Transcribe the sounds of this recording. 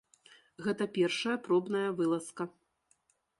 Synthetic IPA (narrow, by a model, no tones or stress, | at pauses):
ɣɛt̪ɐpʲɛrʂɐjɐpɾɔbnɐjɐvɨlˠɐskɐ